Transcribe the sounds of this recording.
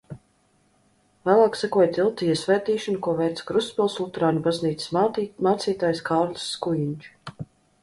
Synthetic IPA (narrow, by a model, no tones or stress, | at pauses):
væːlˠaːksakuɔjt̪ilˠt̪ijɛsvʲɛjt̪iːʃanukuɔvɛjt̪skɾuspʲilˠslˠut̪ɾaːnʲubazniːt̪ssmaːt̪siːt̪aːjskʰaːɾlʲu̥sːkujiɲʲt͡ʃu̥